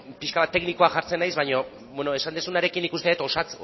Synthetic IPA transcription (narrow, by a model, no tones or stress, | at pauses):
piʃkaβat̪ːe̞kniko̞aʝaɾt͡se̞najzβaɲo̞ | βweno̞e̞sand̪esunaɾe̞kinikust̪eet̪o̞sat͡s